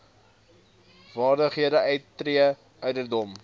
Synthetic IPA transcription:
vɑːrdəχɦiədəʔœɥtːriə | ʔœɥdərdɔm

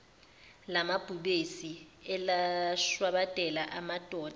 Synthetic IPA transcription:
lamab̥ʱuɓesi | ɛlaʃwaɓatʼɛlaʔamad̥ʱʼɔːd̥

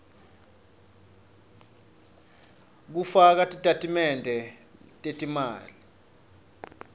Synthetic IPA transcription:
k̬ufak̬atʼitʼatʼimɛndʱɛtʼetʼima̰ːli

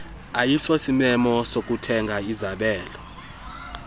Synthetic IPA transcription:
ajiɬosimɛmɔsok̬ʼutʰɛŋʱaizaɓɛːlɔ

